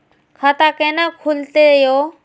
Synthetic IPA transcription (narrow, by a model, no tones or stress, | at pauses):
kʰaːt̪aːkẽːnãːkʰult̪ejoː